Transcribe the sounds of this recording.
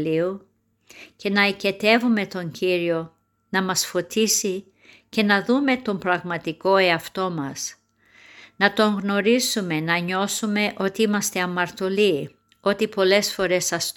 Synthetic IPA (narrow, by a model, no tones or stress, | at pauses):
liu | ce̞nɐice̞t̪e̞vume̞t̪o̞ɲɟiɾio̞ | nɐmɐsfo̞t̪isi | ce̞nɐðume̞t̪o̞mpɾɐɣmɐt̪iko̞e̞ɐft̪o̞mɐs | nɐt̪o̞ŋɣno̞ɾisume̞nɐɲo̞sume̞ʔo̞t̪iimɐst̪e̞ɐmɐɾt̪o̞li | o̞t̪ipo̞le̞sfo̞ɾe̞sɐs